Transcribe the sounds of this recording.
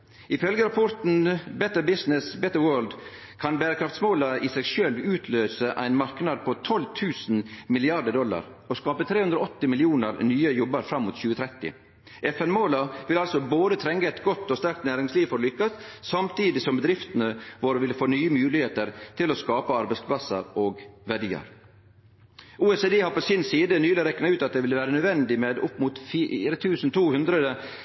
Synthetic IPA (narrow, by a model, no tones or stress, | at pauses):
ɪfœlɡəɾɑpʰɔɾt̪n̩bɛt̪əbɪsnɪsbɛt̪əwøːld̪ | kʰɑnbæːɾəkʰɾɑft̪smoːlɑɪsɛɡʃœlʋʉːt̪ʰløːsəʔæ̰ɪnmɑɾknɑd̪̚pʰɔt̪ʰɔlt̪ʰʉːsn̩mɪlɪɑɖəɖɔlːɑ̰ɾ | ɔskɑːpət̪ʰɾeːʉnd̪ɾɔɔt̪ːɪmɪlɪuːnəɾnyːəjɔbəɾfɾɑmːuːt̪çʉːət̪ʰɾɛt̪ːɪ̰ | ʔɛfɛnmoːlɑʋɪlɑlsɔboːd̪ət̪ʰɾɛŋɡəɛɪt̪ɡɔt̪ːɔst̪æɾk̚t̪næːɾɪŋsliːʋfɔɾlʏkːɑssɑmt̪iːd̪ɪsɔmbəd̪ɾɪft̪ənəʋoːɾəʋɪlfoːnyːəmʉːlɪheːt̪əɾt̪ʰɪlɔskɑːpəɑɾbɛɪspʰlɑsə̰ɾoːɡʋæɖiːə̰ɾ | ʔuːɛseːd̪eːhɑɾpɔsɪnsiːd̪ənyːlɪɾɛknɑʉːt̪ɑt̪̚d̪ɛʋɪlʋæːɾənœd̪ʋɛnd̪ɪmeːd̪ʊpːmʊt̪fiːɾət̪ʰʉːsn̩t̪ʰuːhʉnd̪ɾəd̪ə